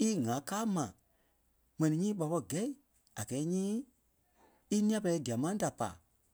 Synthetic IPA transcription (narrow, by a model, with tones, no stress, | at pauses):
i˦ŋã˨˦kaː˦mã˨ | mɛ̃˨nĩ˧˨ɲĩː˦ɓa˨˧ɓɔ˧˨ɡɛ˨˦i˨ | a˨ɡɛː˨˦ɲĩː˦ | i˦nĩ˦ã˧pɛ˧lɛ˧˦di˨a˨mã˦da˨pa̰ː˨